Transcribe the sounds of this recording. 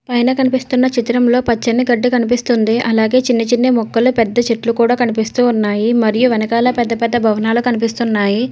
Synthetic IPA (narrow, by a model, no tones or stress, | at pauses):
pɐjnɐkɐnipist̪unːɐt͡ʃit̪ɐɾɐmlo̞ːpɐt͡ʃːɐnːiɡɐɖːikɐnip̬ist̪und̪iʔɐlaːɡe̞ːt͡ʃinːɐt͡ʃinːemɔkːɐlupɛd̪ːɐt͡ʃeʈlukuːɽaːkɐnipist̪uːnːaːjimɐɾijuʋɛnɐkaːlɐpɛd̪ːɐpɛd̪ːɐbʱɐʋɐnaːlukɐnipist̪unːaːji